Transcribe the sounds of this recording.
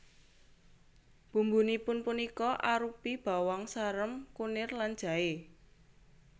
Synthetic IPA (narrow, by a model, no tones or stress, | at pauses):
b̥ṳmbunipʊnpunikɔʔaɾupib̥a̤wɔŋsaɾəmkunɪrland̥ʒ̥ä̤e